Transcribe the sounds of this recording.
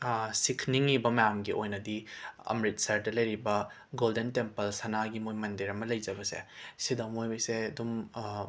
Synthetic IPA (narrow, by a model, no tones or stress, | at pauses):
sikʰniŋibɐmɐjamɡiʔojnɐdiɐ̰mɾit̚sɐɾdɐlɐjɾibɐ | ɡoldentempɐlsɐnaɡimojmɐndiɾɐmɐlɐjd͡ʒɐbɐsḛsidɐmojojseɐdum